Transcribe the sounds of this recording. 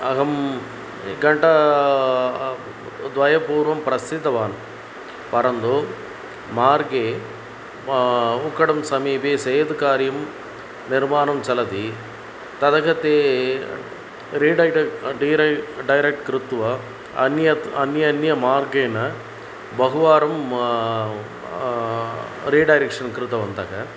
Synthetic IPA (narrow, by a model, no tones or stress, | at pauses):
ɐ̰ɣɐm | ɡɐɳʈɐ | d̪ʋɐjɐpuːɾʋɐmpɾɐsɪd̪ʱːɐʋaːn | pɐɾɐnd̪oː | maːɾɡeː | ukːɐɽɐmsɐmiːpeːsɐjɐd̪kaːɾjɐm | nɪɾmaːnɐmt͡ʃɐlɐt̪i | t̪ɐðɐɣɐt̪ːeː | ɾiːɖɐɪʈɖɐɾɐɖɐjɾɐk̚ʈkɾɪt̪ːʋɐ | ɐnjɐɐnjɐnjɐmaːɾɡeːnɐ | bɐɣʊʋaːɾɐm | ɾiːɖɐjɾɐkʂɐnkɾɪt̪ɐʋɐnd̪ɐɣɐ